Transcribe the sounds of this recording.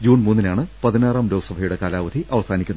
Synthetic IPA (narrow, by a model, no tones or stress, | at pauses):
d͡ʑuːɳmuːnːinaːɳɨpɐðineːraːmlo̞ːsɐbʱɐjuɽe̞kaːlaːʋɐd̪ʰʱiʔɐʋɐsaːnikʲːunːɐ